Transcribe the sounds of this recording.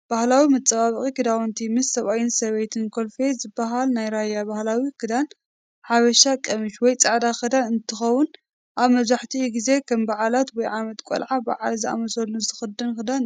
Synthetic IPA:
b̥ahlawimɨt͡sʼɐβaβɨχʼikɨd̪awɔnt̪ʰimɨsːɐβajɪnsɐβɐjt̪ʰɨnkʰolfezɨbːaɦalnajɾajːabahlawikʰɨd̪an | ħaβɐʃakʼɐmɨʃwɔjt͡sʼaʕd̪axɨd̪anɨnt̪ʰɨxɐwʊn | ʔaβmɐβzaħt̪ʰiɡize̞kʰɐmbaʕalat̪wɔjʕamɐt̪kʷʼo̰lʕaba̰ʕa̰lzɨʔa̰mɐsɐlːuzɨxɨd̪ːɨnkɨd̪an

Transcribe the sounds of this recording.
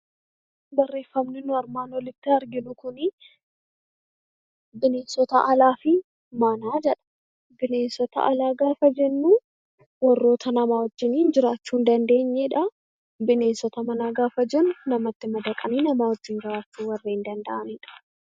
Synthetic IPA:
bɐrːe̞ːfːɐmnɪnʊɐɾmaːnwɔlɪt̪ːɪɐɾɡɪnʊkʊnɪ | bɪneːnsɔt̪ɐʔɐlaːfɪ | mɐnaːd͡ʒɛᶑɐ̥ | bɪneːnsɔt̪ɐ̰ʔɐlaːɡaːfɐd͡ʒɛnːuː | wɐrːo̞ːt̪ʰɐnɐmaːwɔd͡ʒːɪniːnd͡ʒɪɾaːt͡ʃːuːnd̪ɐnd̪e̞ːɲːeᶑɐ | bɪne̞ːnsɔt̪ɐmɐnaːɡaːfɐd͡ʒɛnʊnɐmɐt̪ːɪmɐd̪ɐkʼɐniːnɐmaːwɔd͡ʒːɪnd͡ʒɪɾaːt͡ʃːuːwɐrːeːɪnd̪ɐnd̪ɐʔɐnɪᶑɐ̥

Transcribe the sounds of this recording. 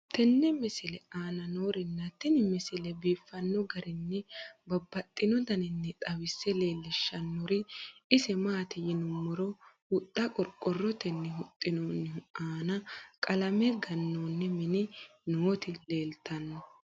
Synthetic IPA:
t̪ɛnːɛmɪsɪlɛaːnɐnoːɾɪnːɐt̪ɛnɪmɪsɪlɛbiːfːɐnːɔɡɐɾɪnːɛbɐbːɐt̪ʼːɪnɔd̪ɐnɪnːɛt̪ʼɐwɪsːɛle̞ːlːɪʃːɐnːɔɾɪɪsɛmaːt̪ɪjɪnʊmːɔɾɔ | ʊt̪ʼːɐkʼɔɾkʼːɔrːɔt̪ɛnːɛɦʊt̪ʼːɪnɔnːɪaːnɐkʼɐlɐmɛɡɐnːoːnːɛmɪnɪnoːt̪ɪleːlt̪ɐnːɔ

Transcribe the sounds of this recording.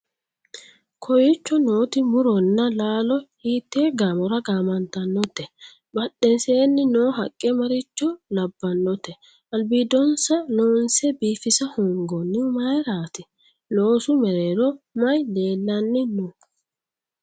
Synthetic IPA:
kʰɔjɪt͡ʃːɔno̞ːt̪ɪmʊɾɔnːɐlaːlɔhiːt̪ːeːɡaːmɔɾɐɡaːmɐnt̪ɐnːɔt̪ːɛ | bɐɗɛnseːnːɪnoːɦɐkʼːɛmɐɾɪt͡ʃːɔlɐbːɐnːɔt̪ːɛ | ʔɐlbiːd̪ɔnsɐnoːnsɛbiːfɪsɐhʊŋɡɔnːɪmɐjɾaːt̪ɪ | noːsʊmɛɾeːɾɔmɐjle̞ːlːɐnːɪnu

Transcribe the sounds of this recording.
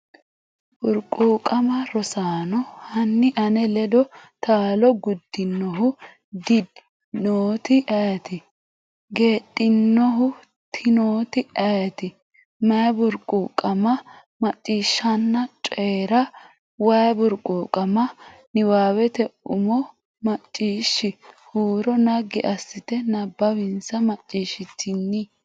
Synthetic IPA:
bʊɾkʼuːkʼɐmɐɾɔsaːnɔhɐnːɪʔɐnɛlɛd̪ɔt̪aːlɔɡʊd̪ːɪnːɔɦʊ | d̪ɪd̪ | noːt̪ɪʔɐjt̪ɪ | ɡe̞ːtʼːɪnːɔɦʊ | t̪ʰɪnoːt̪ɪɐjt̪ɪ | mɐjbʊɾkʼuːkʼɐmɐ | mɐt͡ʃʼːiːʃːɐnːɐt͡ʃʼeːɾɐ | wɐjbʊɾkʼukʼɐmɐnɪwaːwɛt̪ɛʊmɔ | mɐt͡ʃʼːiːʃːɪhuːɾɔnɐɡɪʔɐsːɪt̪ɛnɐbːɐwɪnsɐmɐt͡ʃʼːiːʃɪt̪ʰːɪnːɪ

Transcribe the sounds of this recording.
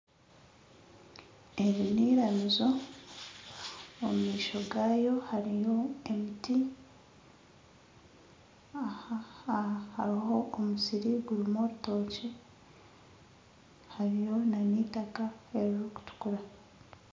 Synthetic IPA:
e̞ɾiniːɾanizo̞ | omumiːʃo̞ɡaːjo̞haɾijo̞emiti | aaaha̰ɾiɦo̞ʔomusiɾiɡuɾimoɾuto̞ːce | haɾijo̞naniːtakaeɾuɾuku̥tu̥kuɾa

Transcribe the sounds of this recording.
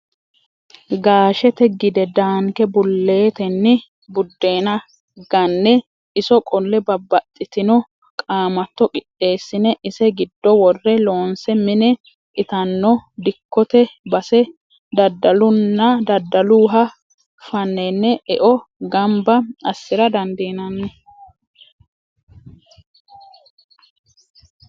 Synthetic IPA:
ɡaːʃɛt̪ɛɡɪd̪ɛd̪aːŋkɛbʊlːe̞ːt̪ɛnːɪ | bʊd̪ːe̞ːnɐ | ɡ̥ɐnːɛ | ɪsɔkʼɔlːɛbɐbːɐt̪ʼːɪt̪ɪnɔ | kʼaːmɐt̪ːɔkʼɪtʼːe̞ːsːɪnɛʔɪsɛɡɪd̪ːɔwɔrːɛloːnsɛmɪnɛ | ʔɪt̪ɐnːɔd̪ɪkːɔt̪ɛbɐsɛ | d̪ɐd̪ːɐlʊnːɐd̪ɐd̪ːɐluːɦɐ | fɐnːɛnːɛʔɛʔɔɡɐmbɐɐsːɪɾɐd̪ɐnd̪eːnɐnːɛ

